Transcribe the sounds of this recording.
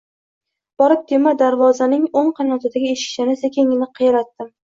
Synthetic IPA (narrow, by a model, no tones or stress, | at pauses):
b̥ɒɾɪp̚d̪ʰemad̪aɾvɒzanɪŋoɴqʰɑnɒt̪ʰad̪aɡʲɪeʃɪ̥ʃɪnɪsekʲeŋɪnɪqʰɨjaɾat̪ːɪm